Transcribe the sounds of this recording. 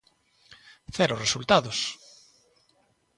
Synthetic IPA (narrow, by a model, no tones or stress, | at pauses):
θɛɾoresult̪aðʊs